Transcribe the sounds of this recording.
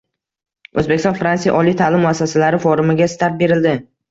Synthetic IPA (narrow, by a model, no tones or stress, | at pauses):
ɵzbekʲɪst̪ɒnfɾansija̰ʔɒlˠijt̪ʰalɪmːʊasːasalaɾɪfoɾɪmɪɡʲast̪ʰaɾt̪̚be̞ɾɪld̪ɪ